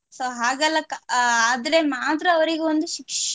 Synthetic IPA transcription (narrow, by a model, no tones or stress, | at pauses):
soːɦaːɡɐlːɐkɐd̪ɾemaːt̪ɾɐːʋɐɾiɡeond̪uʃikʂ